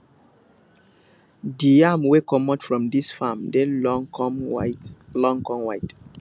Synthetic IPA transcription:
diamwekɔmɔtfɹɔ̃mdisfamde | lɔ̃ŋkɔ̃ŋwajt

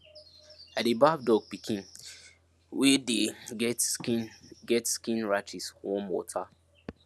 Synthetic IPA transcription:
adebafdɔɡ̚pikʰĩn | wɛdeɡɛtskĩnɡɛtskĩnɹat͡ʃiswɔ̃mwɔ̰tʰa

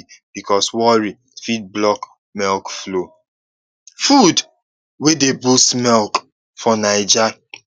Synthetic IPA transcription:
b̥ikʰɔswɔɹi | fit̚blɔk | mɛlkflo | fud | wedebustmɛlk | fɔnaɪd͡ʒa

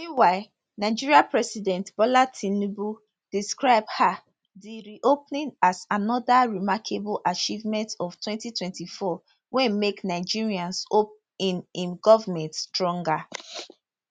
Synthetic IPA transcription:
ĩwaɪ | naɪd͡ʒiɹiapɹɛsidɛ̃ntb̥ɔlatʰĩnubu | d̥iskɹaɪbha | diɹiʔopnĩnasanɔdaɹimakʰebulʔat͡ʃivmɛ̃ntɔftwɛ̃ntitwɛ̃ntifɔ | wɛ̃nmeknaɪd͡ʒiɹiãnsop̚ | inĩnɡɔvamɛ̃ntstɹɔ̃ŋɡa

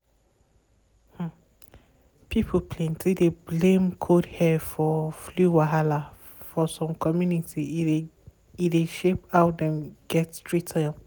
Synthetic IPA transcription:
h̩ | pipʰopʰlɛ̃ntʰideblẽmkʰodhɛfɔfluwaɦala | fɔsɔ̃mkʰɔmjunitʰi | ideʃepaʊdɛ̃mɡɛttɹitʰam

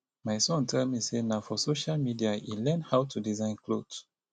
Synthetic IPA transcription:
majsɔ̃ntʰɛlmisenaʊfɔsoʃalmidiailɛ̃nhawtʰudizãɪ̃nklo̰d̥s

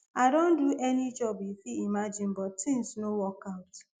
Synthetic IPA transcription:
aɪdõn̩duʔɛnid͡ʒɔbifiimad͡ʒɪ̃nbɔttɪ̃ŋsnowɔkaʊt

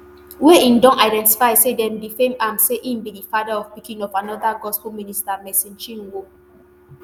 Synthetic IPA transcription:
weĩndɔ̃naɪdɛ̃nti̥faɪsedɛ̃mdifẽmãmseʔĩmbidifadaɔvpikĩŋɔvanɔdaɡɔspomĩnistamɛsĩnt͡ʃĩnwo

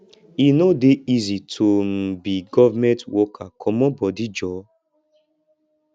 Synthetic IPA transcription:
inodeizitʰom̩biɡɔvamɛ̃ntwɔkʰakʰɔmɔ̃bɔdid͡ʒɔ

